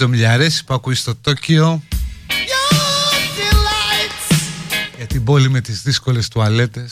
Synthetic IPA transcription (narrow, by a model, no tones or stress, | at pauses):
omʎɐɾe̞si̥puɐkuist̪o̞t̪oceo | jodilajt | ʝɐt̪ibo̞lime̞t̪izðisko̞le̞st̪uɐle̞t̪es